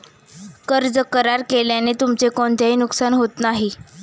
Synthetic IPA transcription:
kəɾd͡zəkəɾaɾkeljanet̪umt͡sekoɳt̪eɦinuksanɦot̪naɦi

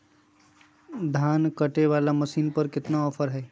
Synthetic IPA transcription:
d̪ʱaːnkəʈeʋalaməsiːnpəɾkɪt̪naɔpʰəɾɦɛɪ

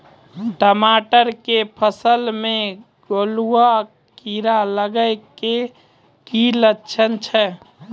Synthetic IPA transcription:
ʈəmaːʈəɾkepʰəsəlmẽ | ɡolua | kkiɾaləɡəɪke | kilətːʃʰənt͡ʃʰɛ

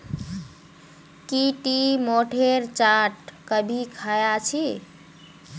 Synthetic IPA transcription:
kiʈimoʈʰeɾt͡ʃaʈ̚kəbʱikʰajat͡ʃʰi

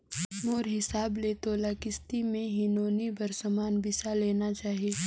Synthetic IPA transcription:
moːɾɦɪsaːbleːt̪oːlaːkɪst̪imẽɦɪnoːnibɐɾsəmaːnbɪsaleːnat͡ʃaːɦieː

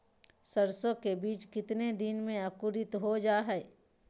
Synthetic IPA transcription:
səɾsõkebiːt͡ʃkɪt̪ned̪ɪnmẽəkʊɾɪt̪ɦod͡ʒaːɦɛː

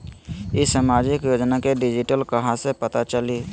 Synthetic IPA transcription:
ɪsaːmaːd͡ʒɪkjoːd͡ʒnakeɖɪd͡ʒɪʈəlkəɦãsepət̪at͡ʃəliː

